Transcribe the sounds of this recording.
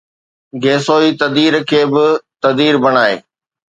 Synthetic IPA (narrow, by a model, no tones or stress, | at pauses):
ɡeːsoːiːt̪ɐd̪iːɾkʰeːbɪt̪ɐd̪iːɾbɐɽ̃aːḛː